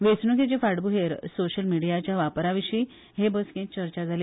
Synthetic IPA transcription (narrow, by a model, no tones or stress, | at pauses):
ʋesnuket͡ɕefaɽbuɦeɾsoɕəlmiɽijat͡ɕjaʋapɾaʋiɕi | ɦebəskẽt͡ɕəɾt͡ɕad͡zʱale